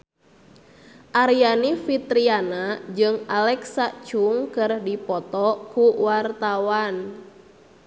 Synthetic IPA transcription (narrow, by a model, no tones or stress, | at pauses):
ʔaɾijanifit̪ɾianad͡ʒɨŋalɛksat͡ʃuŋkɨrdipɔt̪ɔkuwart̪awan